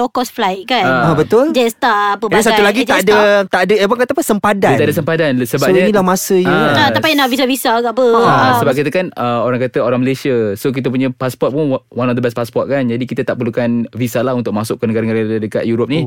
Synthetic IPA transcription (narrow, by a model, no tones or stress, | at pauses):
lɔkɔsflajt̪̚kanəabət̪ʊld͡ʒɛst̪aʔapəbdasaulaɡit̪adət̪aʔadəəbaŋkat̪apəsəmpadaət̪adəsəmpadansəbap̚ɲənilahmasəjəaapinaʔvisavisaɡaʔpəsəbap̚kit̪əkanəoɾaŋkat̪əoɾaŋməlesiasok̬it̪əp̬uɲə̃paspɔt̪̚punwanɔfd̪əbɛs̚paspɔt̪̚kand͡ʒadikit̪ət̪aʔpərlukanvisalahunt̪ʊk̚masʊʔ̚kənəɡaɾənaɾadəka̰t̪juɾop̚ni